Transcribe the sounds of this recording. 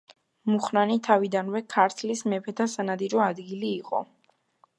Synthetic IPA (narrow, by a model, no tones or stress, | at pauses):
muχnanit̪ʰavid̪anvɛkʰaɾt̪ʰlismɛpʰɛt̪ʰasanad̪iɾɔad̪ɡiliːqʼɔ̰